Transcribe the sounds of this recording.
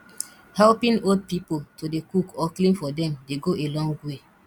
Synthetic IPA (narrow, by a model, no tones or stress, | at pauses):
hɛlpĩnod̚pipotodekukɔklĩmfɔdɛ̃mdeɡoʔelɔ̃ŋɡwe